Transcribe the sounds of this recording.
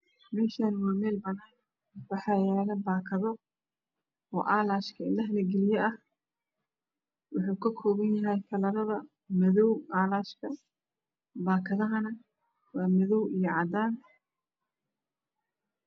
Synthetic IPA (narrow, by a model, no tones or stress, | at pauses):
mɛːʃaːnwaːmɛːlbɐnɐj | wɑħɑːjɛːlɐbaːkʰɐðɔ | ɔ̰ːʔaːlaːʃkʰɐɪlɐɦlɛɡɛlɪjɛʔɐh | wʊħuːkʰɐkʰɔːβɐnjɐɦɛjkʰɐlɐɾɐðɐ | mɛðɔwaːlaːʃkʰɐ | baːkʰɐðɐɦɐnɐ | wɑːmɐðɔwijɞʕɑd̪aːn